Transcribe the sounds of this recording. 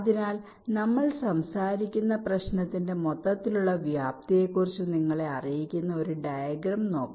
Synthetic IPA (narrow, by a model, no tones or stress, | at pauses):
ðinaːl | nɐmːɐɭsɐmsaːɾikʲːunːɐprɐɕnɐt̪ːinde̞mo̞t̪ːɐt̪ːiluɭːɐʋjaːp̚t̪ije̞kːurit͡ɕːuniŋːɐɭe̞ɐrijikʲːunːɐo̞ɾuɖɐjɐɡɾɐmno̞ːkː